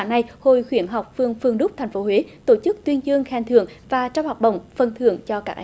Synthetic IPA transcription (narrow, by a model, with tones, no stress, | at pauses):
na˧˩jho˧˨˩jxwi˧˩ənɦa˨˩wk͡p̚fɨ˧əŋfɨ˧əŋɗʊ˦˥k͡p̚t̪ʰɛ˨˩ŋ̟fo˨˦ɦwe˨˦t̪o˧˩t͡ɕɨ˦˥k̚t̪wi˧ənzɨ˧əŋxaː˧˩nt̪ɨ̰˧˨əŋvaː˨˩t͡ɕɔ˧wŋ͡mhaː˨˩k͡p̚ɗə̰˧˨wŋ͡mfə˨˩nt̪ʰɨ̰˧˨əŋt͡ɕɔ˧kaː˦˥k̚ʔ